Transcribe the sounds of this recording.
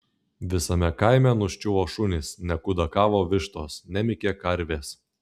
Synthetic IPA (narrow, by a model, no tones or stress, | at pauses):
ʋʲɪsɐmʲɛkɐɪmʲɛnʊʃʲt͡ʃʲʊʋoːʃʊnʲɪsnʲɛkʊd̪ɐkɑːʋoːʋʲɪʃt̪oːsnʲɛmʲɪkʲeːkɐɾʲʋʲeːs